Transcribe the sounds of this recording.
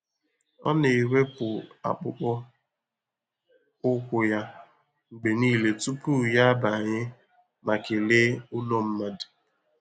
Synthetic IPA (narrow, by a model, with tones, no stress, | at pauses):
ɔ̰˦ne˨i˨we˦pʊ˨a̰˨k͡pʊ̰˦k͡pɔ˦ | ʊ˦kʷʊ˦ja˦ | ŋ͡m̩˨ɡ͡be˨niː˦le˨tu˦pu˦ja˦a˦ba˨ɲɪ˦ | ma˨kɪ˨le˦ʊ˦no˦m̩˦ma˦dɪ̥˨